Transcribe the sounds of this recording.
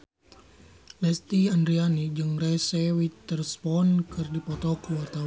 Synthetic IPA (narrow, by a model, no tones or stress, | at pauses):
lɛst̪iandɾianid͡ʒɨŋrɛsɛwit̪ːərspɔnkɨrdipɔt̪ɔkuwart̪aw